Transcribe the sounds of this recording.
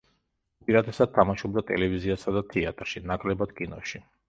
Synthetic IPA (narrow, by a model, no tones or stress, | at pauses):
pʼiɾad̪ʰɛsad̪̚t̪ʰamaʃɔb̚d̪at̪ʼɛ̰lɛviziasad̪at̪ʰɛat̪ʼɾʃinakʼlɛbad̪̥kʼinɔʃi